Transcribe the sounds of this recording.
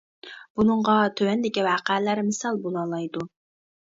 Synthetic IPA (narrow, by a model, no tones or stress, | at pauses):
b̥unɨɴʁɑt̪ʰøwɛnd̪ɪkʲiwɑːqɛlæɾmɪsɑlˠbolˠɑːlˠɑjd̪u